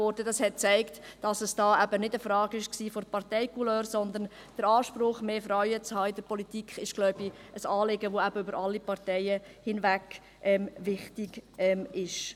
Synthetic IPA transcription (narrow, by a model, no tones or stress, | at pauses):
ɔɾdədɑshɛt̚t͡sæɪktd̥ɑsəsd̥ɑːʔæbənɪdəfɾɑːɡɪʃksiːfɔɾpɑɾtɛɪkuløːɾsɔnd̪ən | d̥əɾɑːʃpɾʊχmeːfɾaɥət͡shɑːɪdəɾpɔlitikχɪʃɡ̥lɔʊbiʔəsɑːlɪɡəʋoæb̥əʏbəɾɑlːipɑɾtɛɪə | hɪnvæk | ʔɛmvɪχtɪɡʔɛmɪʃ